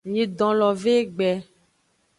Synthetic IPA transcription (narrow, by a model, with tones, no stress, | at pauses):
ɲe˨d̪ɔ̃˨lɔ˨ve˦ɡ͡bɛ˨